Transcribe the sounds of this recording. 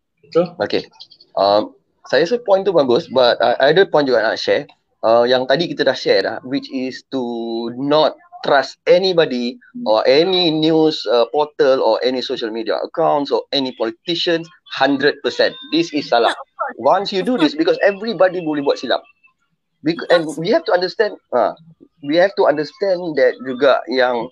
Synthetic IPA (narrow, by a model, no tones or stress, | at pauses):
oke | ʔãm | sajəsəpɔ̃j̃nt̪ubaɡusbataʔajdəpɔ̃j̃njuɡɔʔna̰ʔʃɛ | ʔəjãŋt̪adikit̪ədahʃɛla̰hwit͡ʃistunɔt̪̚ːɾastɛnibɔdiʔɔʔɛninjusəpɔt̪əlɔʔɛnisoʃəlmidia̰ʔə̰kãw̃ntsɔɛnipɔlit̪iʃə̃ns | hãndɾəd̚pəsɛ̃ndisisːalamwãnsjududisbikɔsɛvɹibɔdiwilbibuat̚sila̰p̚ | bikʔɛ̃nwihɛftuãndəstɛ̃nda̰ | wihɛftuãndəstɛ̃nd̪ɛt̚ɹiɡa̰ʔjãŋ